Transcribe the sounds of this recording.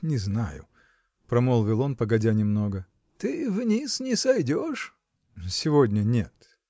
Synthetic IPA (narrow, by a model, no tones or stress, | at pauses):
nʲɪzna̰jʊ̰ | pɾɐmolˠvʲɪlˠo̞npəɡɐdʲanʲɪmno̞ɡə | t̪ɨvnʲisnʲɪsɐjdʲoʂ | sʲɪvodʲnʲənʲet̪